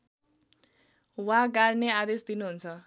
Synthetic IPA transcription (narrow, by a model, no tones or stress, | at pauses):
wãɡaɾnead̪esd̪inuɦunt͡sʰʌ